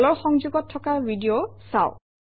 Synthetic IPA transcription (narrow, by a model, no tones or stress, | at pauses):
lɔɹxɔŋzuɡɔtʰːɔkabidiosa̰ʊ